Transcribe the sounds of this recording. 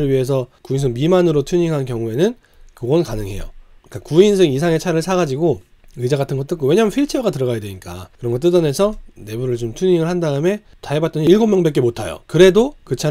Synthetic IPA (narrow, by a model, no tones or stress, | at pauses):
ɯɭɥiɦe̞s̬ʰʌkuinsʰɯŋmimanɯɾotʰuɲiŋɦankjʌŋue̞nɯn | kɯɡʌnkanɯŋɦe̞̰jo̰k͈akuinsʰɯŋisʰaŋe̞t͡ɕʰaɾɯɭsʰaɡad͡ʑiɡo | ɯd͡ʑaɡatʰɯnɡʌt͈ɯk͈owe̞ɲamɯnɸʰiɭt͡ɕʰeʌɡatɯɾʌɣajadweɲik͈a̰kɯɾʌŋɡʌt͈ɯdʌne̞sʰʌne̞buɾɯɭt͡ɕomtʰuɲiŋɯɭhandaɯme̞ | taebat̚t͈ʌniiɭɡʌmjʌŋbek͈emotʰajo̰kɯɾe̞dokɯt͡ɕʰa